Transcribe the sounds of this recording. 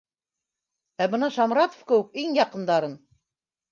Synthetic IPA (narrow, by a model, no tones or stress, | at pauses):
æbɤnɑʃɑmɾɑt̪ŏ̥fkɘ̆wɘk̚iŋjɑqɤ̆nd̪ɑɾɤn